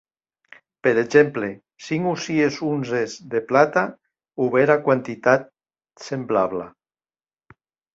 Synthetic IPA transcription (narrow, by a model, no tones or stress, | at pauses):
peɾed͡ʒemple | siŋusiesunzezðeplat̪a | uβeɾakwant̪it̪at̪̚ | semblaβla̰